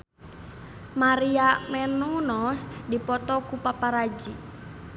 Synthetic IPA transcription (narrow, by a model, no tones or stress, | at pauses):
maɾiamɛnunɔsdipɔt̪ɔkupapaɾad͡ʒi